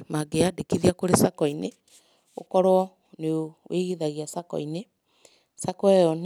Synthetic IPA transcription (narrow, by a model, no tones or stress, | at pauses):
maɡeadekiðiakoɾesakɔine | o̰kɔɾɔ | neoweɣiðaɣiasakɔ̰ine | sakɔɛɔn